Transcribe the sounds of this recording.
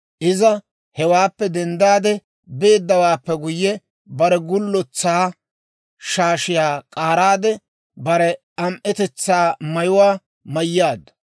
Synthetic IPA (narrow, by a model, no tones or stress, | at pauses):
ʔɪzɐ | hɛwaːpːɛd̪ɛnd̪aːd̪ɛ | be̞ːd̪ːɐwaːpːɛɡʊjːɛ | bɐɾɛɡʊlːɔt͡sːaː | ʃaːʃɪjaːkʼaːɾaːd̪ɛ | bɐɾɛ | ɐmʔɛt̪ɛt͡sːaːmɐjʊwaː | mɐjːaːd̪ːɐ̥